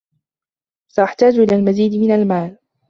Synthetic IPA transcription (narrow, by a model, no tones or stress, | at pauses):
saʔaħt̪aːd͡ʒʔɪlaːlmaziːd̪mɪnalmaːl